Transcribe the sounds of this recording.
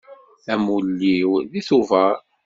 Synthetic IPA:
æmulːiwðiθuvəɾ

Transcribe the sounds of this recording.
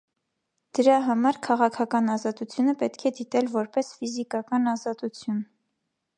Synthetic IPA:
d̪̥əɾɑɦɑmɑɾkʰɑʁɑkʰɑkɑnɑzɑt̪ut͡sʰjunəpɛt̪kʰɛd̪it̪ɛlvɔɾpɛsfizikɑkɑnɑzɑt̪ut͡sʰjun

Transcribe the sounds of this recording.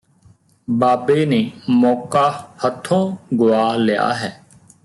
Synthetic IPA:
baːbeːneːmɔːkaːhət̪ʰːõːɡʊaːlɪja̰ːɦɛː

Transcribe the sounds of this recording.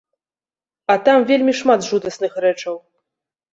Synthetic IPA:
ɐt̪amvʲelʲmʲiʂmad̪ʐud̪ɐsnɨxɾɛt͡ʂɐw

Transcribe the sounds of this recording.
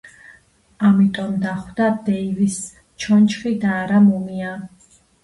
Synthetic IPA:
amit̪ʼɔmd̪aχwd̪ad̪ɛivis | t͡ʃʰɔnt͡ʃʰχid̪aːɾamɔmia

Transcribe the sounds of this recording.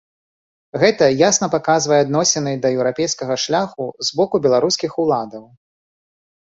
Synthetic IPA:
ɣɛt̪ɐjasnɐpakazvɐjɛad̪nɔsʲɛnɨjd̪ɐjɛwɾapʲejskɐɣɐʂlʲaxuzbɔkubʲɛlˠaɾuskʲixulˠad̪ɐw

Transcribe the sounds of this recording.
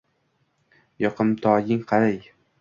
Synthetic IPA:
jɒqʰɨmt̪ʰɒjɪŋqʰɑɾaj

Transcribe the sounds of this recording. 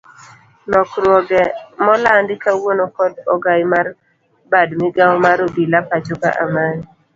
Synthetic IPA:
nɔkɾwɔɡɛmɔlandɪkawonokɔdɔɡajmar | badmɪɡawmaɾobilapat͡ʃɔka̰ʔa̰man

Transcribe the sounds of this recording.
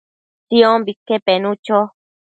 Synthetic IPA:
t̪iombikːepenũt͡ʃo

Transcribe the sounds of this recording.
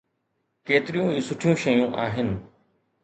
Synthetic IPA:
keːt̪ɪɾijũːiːsʊʈʰijũːʃɐjũːʔaːɦɪnɪ̆

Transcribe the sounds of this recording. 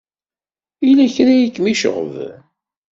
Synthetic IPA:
ilæçɾæjikːmiʃə̰ʁə̰v

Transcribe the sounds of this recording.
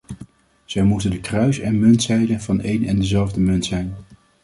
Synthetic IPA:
z̥ɛjmutəndəkrœɥsɛnmɵntsɛjdənvɑnejnɛndəzɛlˠvdəmɵntsɛjn

